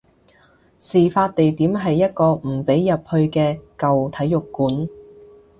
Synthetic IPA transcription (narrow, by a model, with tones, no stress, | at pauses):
siː˨faː˧t̚t̪e˨jt̪iː˨˥mɦɐ˨jːɐ˥t̚kɔː˧m̩˨˩pe˨˥jjɐ˨p̚hɵ˧ɥkɛː˧kɐ˨wt̪ʰɐ˨˥jːʊ˨kːuː˨˥n